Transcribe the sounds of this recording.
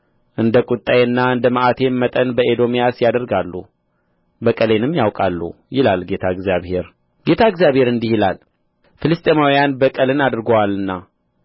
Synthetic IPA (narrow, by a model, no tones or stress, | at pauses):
ʔɨnd̪əkʼʊt̪ʼːajɨnːaɨnd̪əməʔat̪ʰe̞mːət̪ʼənbəed̪o̞mijasjad̪əɾɡalːu | bəkʼəle̞nɨmjawkʼalːṵ | jɪlalɡe̞t̪ʰaɨɡzijaβhe̞ɾ | ɡe̞t̪ʰaɨɡzjaβhe̞ɾɨnd̪ihɪlal | filɨst̪ʼemawijanbəkʼəlɨnad̪ɾɡəwalːɨnːa